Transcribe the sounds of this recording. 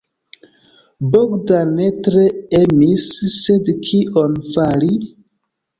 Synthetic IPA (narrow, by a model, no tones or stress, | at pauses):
boɡdane̞tɾe̞emisːedkʰiʔonfali